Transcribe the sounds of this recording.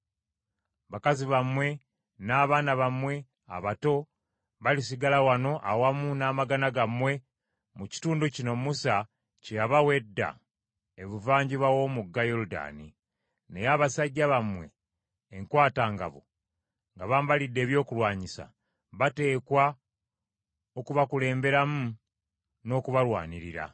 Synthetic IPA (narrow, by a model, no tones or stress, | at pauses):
βakaziβamwe̞ | naːβaːnaβamwe̞ | a̰βato̞ | βalisiɡalawano̞ʔawamunaːmaɡanaɡamwe̞ | muci̥tuːnducino̞musa | cejaβawe̞dːa̰ | eβuvaːɲɟiβawo̞muɡːajo̞luda̰ːni | ne̞jaːβasaɟːaβamwe̞̰ː | ŋkwaːtaːŋɡa̰βo̰ | ŋɡaβaːmbalidːe̞ːβjo̞ːkulwaːɲisa̰ | βate̞ːkwa | o̞kuβakule̞ːmbe̞ɾamu | no̞ːkuβalwa̰ːniɾiɾa̰